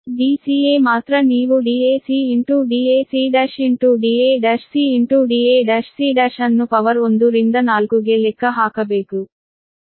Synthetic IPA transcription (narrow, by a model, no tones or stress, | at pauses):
ɖiːsiːeːmaːt̪ɾɐniːʋuɖiːeːsiːiɳʈuːɖiːeːsiːɖɐʃiɳʈuɖiːeːɖɐʃsiːiɳʈuːɖiːeːɖɐʃsiːɖɐɾʃɐnːupɐʋɐɾund̪uɾind̪ɐnaːlkuɡeːlekːɐɦaːkɐbeːku